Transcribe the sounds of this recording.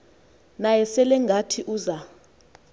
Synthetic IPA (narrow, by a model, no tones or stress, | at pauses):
najɛsɛlɛŋɡʱatʰiʔuːza